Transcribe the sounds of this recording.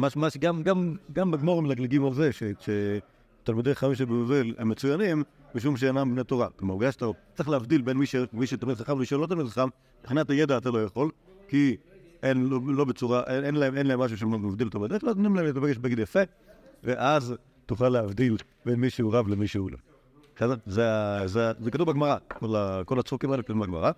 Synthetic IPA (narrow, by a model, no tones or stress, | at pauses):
maʃmaʃɡamɡamɡambeɡmoʁmilaɡleɡivazeʃeʃe | t̪almideaχaviʃebemovilhemːet͡sujanim | biʃ̬umʃ̬eenambnet̪oʁakamaʁɡaʃt̪aot͡seχleavd̪ilbenmiʃemiʃet̪amidχaχavlemiʃlot̪̬almid̪χaχam | b̥χinatajedaːt̪alo̞jaχo̞l | kiʔenlolo̞bet͡suʁaʔeenlaemenlaemːaʃ̬uʃemomavd̪ilt̪ovad̪elot̪mnimlaemlet̪abeɡeʃbeɡid̪jafek | veʔaz | tuχalːeavd̪il | benmiʃeuʁavlemiʃeulo̰ | ʃazzeazezekat̪uvbaɡmaʁakolakolat͡sʁokimaelekatumbaɡma̰ʁa